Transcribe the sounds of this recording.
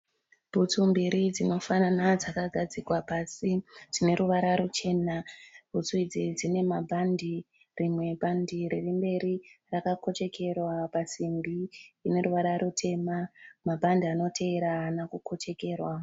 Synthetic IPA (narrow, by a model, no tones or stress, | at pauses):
b̥ʱut͡sumbiɾid͡zino̞fananad͡zakaɡʱad͡zikwapasitine̞ɾuʋaɾaɾut͡ʃe̞nab̥ʱut͡suid͡zid͡zine̞mabʱandi | rimwe̞bʱandiɾerimbe̞ɾirakako̞t͡ʃe̞ke̞rwapasimbiːne̞ɾuʋaɾaɾutʰe̞mamabʱandiano̞tʰe̞eɾaːnakukʰo̞t͡ʃe̞ke̞ːrwa